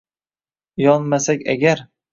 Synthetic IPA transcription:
jɒnmasakʲa̰ɡʲaɾ

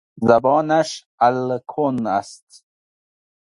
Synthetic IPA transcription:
zabɑːnaʃ | alkʰona̰st̪

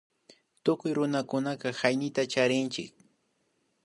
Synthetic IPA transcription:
t̪ʊkʊjɾʊnakʊnakahajnɪt̪at͡ʃaɾɪnt͡ʃɪk̚

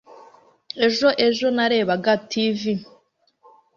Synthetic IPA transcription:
e̞ʒo̞ʔe̞ʒo̞naɾe̞ːβaɡatʰivi

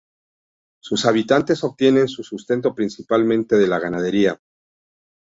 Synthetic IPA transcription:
susaβ̞it̪ant̪e̞so̞βt̪je̞ne̞nsusust̪e̞nt̪o̞pɾinsipalmẽ̞nt̪e̞ðe̞laɣanað̞e̞ɾia

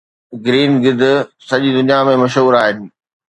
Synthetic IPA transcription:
ɡɾiːnɡɪd̪̆ʱsɐʄid̪ʊnijamẽmɐʃɦuːɾaːɦɪnɪ̆

